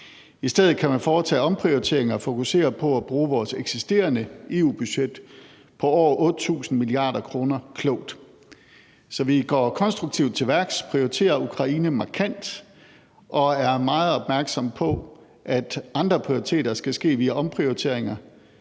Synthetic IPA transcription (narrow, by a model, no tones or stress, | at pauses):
isd̥eð̞̰̩ˠkʰæmænfɒːt͡sʰɛ̰ːɒ̽mpʰʁiot͡sʰe̝̰ɐ̰eŋɐfo̝kuse̝̰ːɐpʰɒ̽æb̥ʁuːʋɒːseɡ̥sisd̥e̝̰ːɐnəe̝ːuːb̥yɕed̥ | pʰɒ̽ɒ̰ːʔɔ̽ːd̥t͡sʰṵːsn̩miliɑ̰̈ːɾ̥ɐkʰʁo̝ːnɐkʰlɔʊ̰d̥ | sɒ̽ʋiɡ̥ɒ̰ːkʰɒ̽nsd̥ʁuɡ̥̚t͡sʰiʊd̥̚t͡sʰe̝ʋæɐɡ̥spʰʁioit͡sʰe̝̰ːɐukʰʁɑ̈iːnəmɑ̈kʰæn̰d̥ | ʔɒ̽æɐmɑ̈ːð̩ˠɒ̽b̥mæɐɡ̥sɒ̽m̰pʰɒ̽ | ʔæd̥ɑ̈nd̥ʁɐpʰʁio̝it͡sʰe̝̰ːɾɐsɡ̥æsɡ̥e̝̰ːʋiæɒ̽mpʰʁioit͡sʰe̝̰ɐeŋɐ